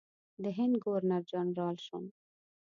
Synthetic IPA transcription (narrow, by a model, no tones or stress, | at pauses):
d̪əɦɪnd̪ɡoɾnaɾd͡ʒɑnɾɑlʃun